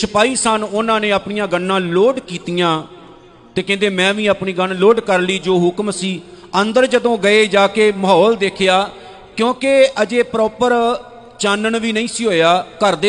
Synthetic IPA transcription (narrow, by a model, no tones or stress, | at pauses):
səpaːiːsənʊnãːnẽːaːpɳɪjãːɡənːãːloːɖkiːt̪ijãː | t̪eːkɛ̃ːnd̪eːmɛ̃ːʋĩːaːpniːɡənloːɖkəɾliːd͡ʒoːɦʊkmsiː | ənd̪əɾd͡ʒəd̪õːɡəeːd͡ʒaːkeːməɦɔːld̪eːkʰjaː | kjõːkeəd͡ʒeːpɾɔːpəɾ | t͡ʃaːnəɳʋiːnəĩːsiːɦoːjaːkəɾd̪eː